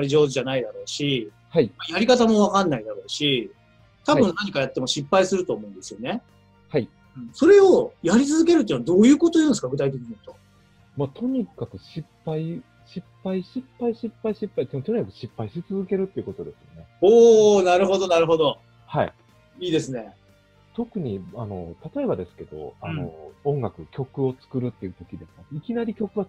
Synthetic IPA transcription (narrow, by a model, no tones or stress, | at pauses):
aɾʲiʑo̞ːʑanaid̪aɾo̞ːɕi | haimajaɾʲikat̪amo̞βakãnːaid̪aɾo̞ːɕi | t̪abɯ̟̃nnaɲ̟ikajat̪ːe̞mo̞ɕipːaisɨɾɯ̟t̪oːmo̞ɯ̃nd̪esɨjo̞ne̞ | hai | ɯ̃ɴso̞ɾe̞o̞jaɾʲit͡sɨzɨke̞ɾɯt̪ead̪o̞ːjɯ̟ːko̞t̪o̞iɯ̟̃nesɨ̥kaɡɯ̟t̪ait̪e̞kʲiɲit̪o̞ | maːt̪ʰo̞ɲ̟ikakɯ̟ɕipːai | ɕipːaiɕipːaiɕipːaiɕipːait̪t̪o̞ɲ̟ikakɯ̟ɕipːaiɕit͡sɨzɨke̞ɾɯ̟t̪ːeiɯ̟ko̞t̪o̞d̪e̞sɨjo̞̰ne̞oːnaɾɯ̟ɦo̞d̪onaɾɯ̟ɦo̞d̪o̞ | haḭ | iːd̪e̞sɨne̞ | t̪o̞kɯ̟ɲ̟iano̞̰t̪at̪o̞e̞bad̪e̞sɨ̥ke̞d̪̥o̞̰ano̞̰õ̞ŋɡakɯ̟kʲo̞kɯ̟o̞t͡sɨ̥kɯ̟ɾɯ̟t̪ːeiɯ̟t̪o̞kʲid̪e̞sɨ̥kaikʲinaɾʲikʲo̞kɯ̟βa